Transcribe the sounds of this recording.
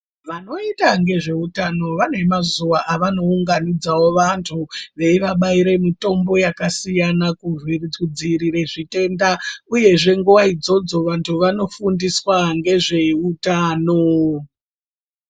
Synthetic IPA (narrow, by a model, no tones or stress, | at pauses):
ʋano̞itaŋɡe̞ʐe̞utano̞ʋane̞mazuʋaʔaʋano̞uŋɡanid͡zawo̞ʋantʰuʋe̞iʋaɓaiɾe̞mito̞mbo̞jakasijanakurirud͡ziɾire̞ʐite̞ndauje̞ʐe̞ŋɡuʋaid͡zo̞d͡zo̞ʋantʰuʋano̞fundiswaŋɡe̞ʐe̞utaːno